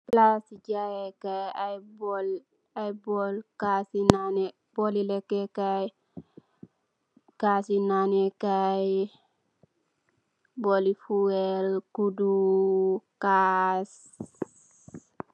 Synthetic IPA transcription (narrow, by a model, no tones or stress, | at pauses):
plasiɟajekaab | ajbɔlkasinane | b̥olilekːekaj | kasinanekaj | bolifuwɛlkudu | kas